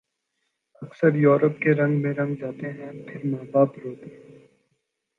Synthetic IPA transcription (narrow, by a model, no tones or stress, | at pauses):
ɐksəɾjuːɾəp̚keɾɐ̃ŋɡmẽɾɐ̃ŋɡd͡ʒaːt̪eɦɛ̃pʰɪɾmaːbaːpɾoːt̪eɦɛ̃ː